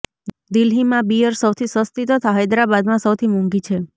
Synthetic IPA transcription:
d̪ilɦimãbijəɾsəwt̪ʰisəst̪it̪ət̪ʰaɦəjd̪ɾabad̪mãsəwt̪ʰimuŋɡit͡ʃʰe

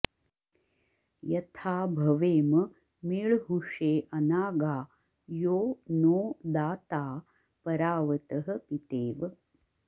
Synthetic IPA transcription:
jɐt̪ʰaːbʱɐʋeːmɐ | miːɭɦuʂeːʔɐnaːɡaː | joːnoːd̪aːt̪aː | pɐɾaːʋɐt̪ɐɦɐ̆pit̪eːʋ

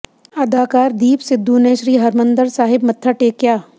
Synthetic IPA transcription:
ɐd̪aːkaːɾd̪iːpsɪd̪ʱːuneːʃɾiːɦɐɾmə̃nd̪əɾsaːɦɪbmɐt̪ʰːəʈeːkjaː

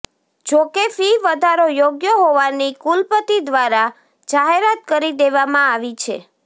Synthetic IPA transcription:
d͡ʒokefiʋəd̪ʱaɾojoɡjəɦoʋanikulpət̪id̪ʋaɾa | d͡ʒaɦeɾat̪̚kəɾid̪eʋamãaʋit͡ʃʰḛ

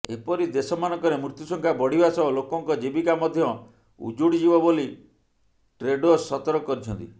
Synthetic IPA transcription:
epɔɾid̪esɔmanɔkɔɾemut̪jusɔŋkʰabɔɽ̤ibasɔlokɔŋkɔd͡ʒibikamɔd̪ʱjɔ | ṵd͡ʒuɽid͡ʒibɔboli | ʈɾeɖosɔt̪ɔɾɔkɔɾit͡ʃʰɔnt̪i

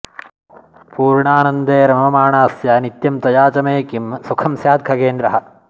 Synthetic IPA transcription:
puːɾɳaːnɐnd̪eːɾɐmɐmɐmaːɳaːsjanit̪jɐmt̪ɐjaːt͡ʃɐmeːkimsukʰɐmsjaːd̪̚ɡʰʱɐkeːnd̪ɾɐɦɐ̆

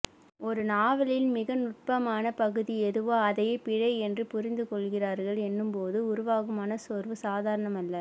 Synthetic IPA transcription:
ɔɾɯnaːʋɐlɪlmɪɣɐnʊʈ̚pɐmaːnɐpɐɣɯðiɛðɯʋoːɐðɐjeːpɪɻɐɪɛndrɯpʊɾɪnd̪ɯkɔɭɣɪraːɾɣɐɭɛnːɯmpoːðɯʊɾʊʋaːɣɐmaːnɐsɔːɾʋɯsaːðaːɾɐɳɐmɐlːɐ

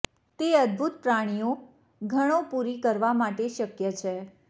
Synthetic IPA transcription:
t̪eəd̪̚bʱut̪̚pɾaɽ̃ijo | ɡʱəɽ̃õpuɾikəɾʋamaʈeʃəkjət͡ʃʰe

